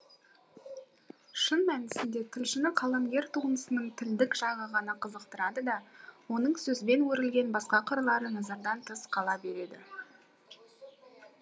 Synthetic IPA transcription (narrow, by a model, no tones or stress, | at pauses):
ʃənmænɪsɪnd̪e̞t̪ʰɪlʃɪnɪqʰɑlˠɑmɡʲe̞ɾt̪ʰuənəsənəɴt̪ʰɪld̪ɪkʒ̥ɑʁəʁɑnɑqʰəzəqt̪əɾɑd̪əd̪ɑwo̞nəɴsɵzbe̞nwɵɾɪlɡʲe̞nbɑsqɑqʰəɾlˠɑɾənɑzɑɾd̪ɑnt̪ʰəsqʰɑlˠɑbe̞ɾe̞d̪ɪ̰